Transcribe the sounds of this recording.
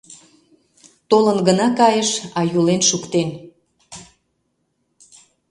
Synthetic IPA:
t̪olənɡənɑkɑjəʃɑjulenʃukt̪en

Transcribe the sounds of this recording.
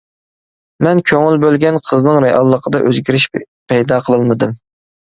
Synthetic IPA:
mɛnkʲʰøŋylbølɡʲɛnqʰəznɨŋɾɛɑlˠːəqʰəd̪ɑʔøzɡʲiɾɪʃ | pʰɛjd̪ɑqʰəlˠɨlˠmɨd̪ɨm

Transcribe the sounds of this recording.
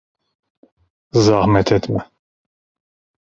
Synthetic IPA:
zɑhmɛt̪ʰɛt̪mɛ

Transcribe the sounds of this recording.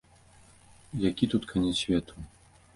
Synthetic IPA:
jakʲit̪ut̪kʰanʲɛsʲvʲɛt̪ʰu

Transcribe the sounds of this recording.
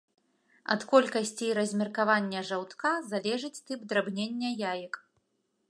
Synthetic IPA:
ɐ̰t̪kɔlʲkɐsʲt͡sʲijɾɐzʲmʲirkavanʲːɛʐawt̪kazalʲɛʐɨt͡sʲt̪ɨpd̪ɾabnʲenʲːɐjajik

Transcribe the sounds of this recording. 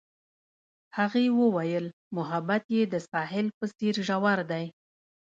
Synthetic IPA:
haɣewəwajəl | mʊɦabat̪jed̪əsɑɦɪlpəseɾʒawaɾd̪aj

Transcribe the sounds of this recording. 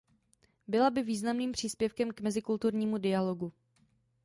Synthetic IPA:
bɪlabɪviːznamniːmpr̝̥iːspjɛfkɛmkmɛzɪkult̪uɾɲiːmudɪaloɡu

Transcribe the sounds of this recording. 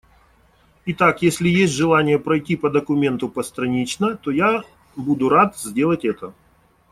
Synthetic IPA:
ɪt̪akjesʲlʲɪjesʲtʲʐɨlˠanʲɪjəpɾɐjtʲipəd̪əkʊmʲe̞nt̪ʊpəst̪ɾɐnʲit͡ɕnət̪oja | bud̪ʊɾat̪zʲdʲe̞lˠətʲɛt̪ə

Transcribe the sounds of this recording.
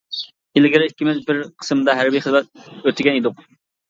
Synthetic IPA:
elɪɡʲɪɾikʲːimɪzbɪɾqʰə̥sɨmd̪ɑɦæɾbijχəzmɛt̪̚øt̪ʰːɪɡʲɛnid̪ʊq

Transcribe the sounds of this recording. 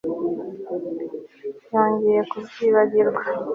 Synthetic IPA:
joːɲɟejekuziːβaɡiɾɡwa

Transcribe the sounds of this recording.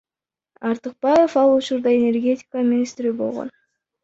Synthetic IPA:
ɑɾt̪ɨq̚bɑje̞fɑlˠut͡ʃuɾd̪ɑe̞nʲe̞rɡʲe̞tʲɪ̥kamʲinʲist̪ɾibo̞lˠʁo̰n

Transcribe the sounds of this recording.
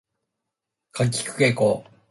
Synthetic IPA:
kʰak̬ʲːi̥kɯ̟̥kekoː

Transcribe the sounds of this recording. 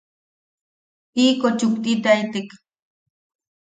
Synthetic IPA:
iːkot͡ʃʊkt̪ʼit̪ajt̪ɪk

